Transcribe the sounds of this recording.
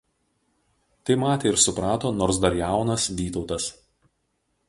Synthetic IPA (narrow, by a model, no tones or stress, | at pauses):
t̪ɐɪmɑːt̪ʲeːɪɾsʊpɾɑːt̪oːnoːɾsd̪ɐɾjæˑʊnɐsʋʲiːt̪ɒʊt̪ɐs